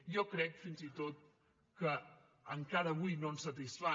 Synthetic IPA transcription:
jɔkɾɛkfinzit̪ot̪̚ | kə | əŋkaɾəβujnonsət̪isfa

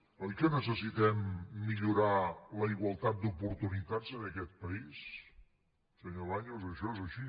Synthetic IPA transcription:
əlkɛnəsəsit̪ɛmːiʎuɾaləiɣwəlˠt̪at̪̚d̪upuɾt̪unit̪ad͡zənəkɛt̪̚pəis | səɲoβaɲozəʃɔezəʃi

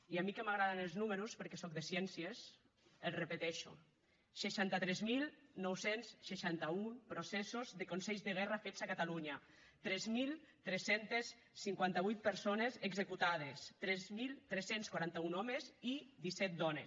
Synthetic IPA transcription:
iamikemaɣ̞ɾaðenelˠznuməɾuspəɾkɛsɔk̚ðesjɛnsies | elrepet̪ɛʃṵ | ʃeʃant̪at̪ɾɛzmilˠnɔwsensʃeʃant̪aupɾosɛsozðekonsɛʎzðeɣ̞ɛrafet͡sakat̪aluɲa | t̪ɾɛzmilˠt̪ɾɛsent̪esː | iŋkwant̪aβujt̪̚peɾsonezeɡzekut̪að̞est̪ɾɛzmilˠt̪ɾɛsenskwaɾant̪aunɔmezid̪isɛt̪̚d̪ɔnes

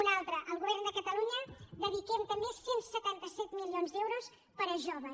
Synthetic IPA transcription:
unalˠt̪ɾəʔəlˠɣuβɛɾnd̪əkət̪əluɲəd̪əðikɛmt̪əmesensət̪ant̪əsɛt̪milionzd̪ɛwɾos | pəɾəʒoβə

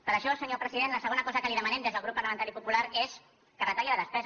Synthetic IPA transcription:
pəɾəʃɔəlˠsəɲopɾəziðenləsəɣonəkɔzəkəliðəmənɛmd̪ezðəlˠɣɾupːɐɾləmənt̪aɾipupulaɾes | kərət̪aɣiləðəspɛz

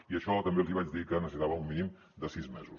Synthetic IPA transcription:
iəʃɔt̪əmbelziβ̞at͡ʃdðikənəsisit̪aβəumminim | d̪əsizmɛzus

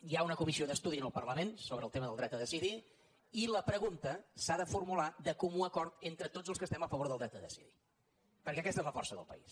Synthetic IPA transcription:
jaunəkumisioðəst̪uðiənəlˠpə̰rləmensoβɾəːlˠt̪eməðəlˠd̪ɾɛt̪əðəsiði | iləpɾəɣunt̪əsaðəfurmulad̪əkumuəkɔɾt̪ent̪ɾət̪od͡zəlˠskəst̪ɛməfəβoɾðəlˠd̪ɾɛt̪əðəsḭðḭ | pəɾkɛəkɛst̪ezləfɔrsəðə̰lˠpə̰ḭs

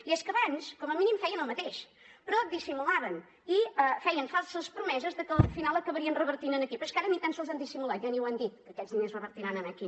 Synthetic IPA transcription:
iɛskəβanskɔməminimfɛjənəlˠmət̪eʃ | pɾɔd̪isimulaβən | iəfɛjənfalˠsəspɾumɛzəzðəkəfinalˠəkəβəɾiənrəβəɾt̪inənəkipəskaɾənit̪ansəlˠzand̪isimulˠat̪ʒaniwand̪it̪̚kəkɛzðinezrəβəɾt̪iɾanənaki

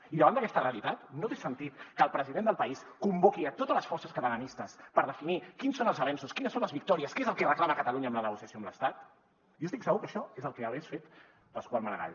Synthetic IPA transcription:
iðəβand̪əkɛst̪əreəlit̪at̪not̪esənt̪it̪kəlˠpɾəziðend̪əlˠpəiskumbokiət̪ot̪ələsfɔɾsəskət̪ələnist̪əspəɾðəfinikinsonəlˠzəβɛnsuskinəsõnləzβik̚t̪ɔɾiəskeezəlˠkɛrəklaməkət̪əluɲəːmlənəɣusiəsjoəmləst̪at̪̚ | jost̪iksəɣukəʃɔezəlˠkɛəβɛsfet̪ | pəskwaməɾə̰ɣa̰ʎ

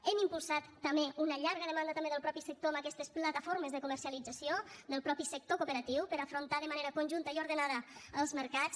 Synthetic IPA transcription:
ɛmimpulˠsat̪ːəmeʔunəʎaɾɣəðəmãnd̪ət̪ɐmbeəlˠpɾɔpisək̚t̪oəməkɛst̪əsplat̪afoɾməzðəkuməɾsialid͡zasiod̪əlˠpɾɔpisək̚t̪okupəɾat̪iwpəɾafɾunt̪aðəmaneɾəkunʲʒunt̪əiuɾðənaðəəlˠzməɾkat͡s

